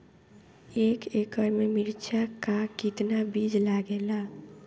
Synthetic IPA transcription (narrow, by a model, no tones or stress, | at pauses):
eːkekəɾmemɪlt͡ʃʰakakɪt̪nabid͡ʒlaɡela